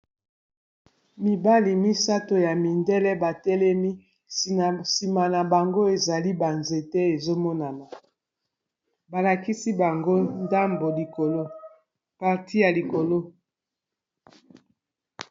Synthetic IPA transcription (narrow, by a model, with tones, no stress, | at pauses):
mi˨ba˦li˨mi˦sa˦to˨ja˨mi˨ndɛ˦lɛ˦ba˨tɛ˦lɛ˦mi˦ | si˨ma˨na˨ba˨ŋɡo˦e˨za˨li˦ba˨nze˨tɛ˦e˨zo˦mɔ˦na˨na˨ | ba˨la˨ki˦si˦ba˨ŋɡo˦nda˦mbo˨li˨ko˨lo˦ | pa˨ʁti˦ja˨li˨ko˨lo˦